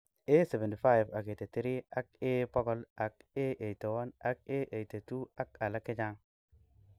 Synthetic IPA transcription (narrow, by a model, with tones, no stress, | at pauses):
e˦se˨ve˨nti˨fa˦jva˨ɡe˨te˨t̪i˦ɾi˦a˦k̚e˦pɔ˦ɡɔ˦la˨ke˦ʔe˨te˨wa˦na˦k̚e˦ʔe˨te˨tu˦a˦ka˨la˦ki˦d͡ʒa˦ŋ